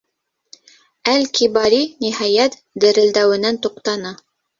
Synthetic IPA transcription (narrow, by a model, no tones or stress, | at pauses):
ælkibɑɾiniɦɑjæt̪ | d̪ɘ̆ɾɘ̆ld̪æwɘ̆nænt̪uqt̪ɑnɤ